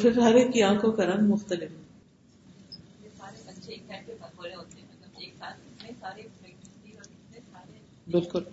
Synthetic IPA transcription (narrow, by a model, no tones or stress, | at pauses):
fɪɾɦɐɾeːkːiãːkõkɐɾɐmmʊxt̪əlɪf | esaːɾeɐtːʃʰesɛːʈkebɐkoɾeɦoːt̪eɛɐeːksaːt̪ɪt̪nẽsaːɾepɛk̚ʈɪʈiɔɾɪt̪nesaːɾe | bɪlkʊl